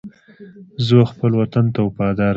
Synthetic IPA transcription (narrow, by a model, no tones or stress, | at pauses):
zoxpəlwat̪ant̪awpɑd̪ɑɾ